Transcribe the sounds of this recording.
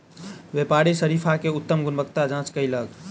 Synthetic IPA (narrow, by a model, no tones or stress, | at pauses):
ʋepaɾisəɾipʰakeut̪ːəmɡunbəkt̪ad͡ʒãt͡ʃkəiləɡ